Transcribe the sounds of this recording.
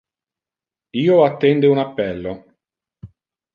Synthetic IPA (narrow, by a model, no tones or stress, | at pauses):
iːoat̪ːɛnd̪eunapːɛlːo